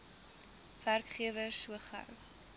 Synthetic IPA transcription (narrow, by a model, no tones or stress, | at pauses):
værkχiəvəsuəχɐ̰w